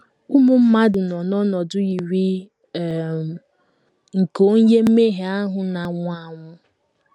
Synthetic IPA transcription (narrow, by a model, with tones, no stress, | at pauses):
u˦mʊ˦m̩˦ma˦dʊ˨nɔ˨nɔ˦nɔ˨dʊ˦i˨ɾi˦˨ | ŋ̩˨ko˦ŋ̩˦je˦m̩˦me˦ɦe˨a˦ɦʊ˨na˨ŋʷʊ˦a˦ŋʷʊ˦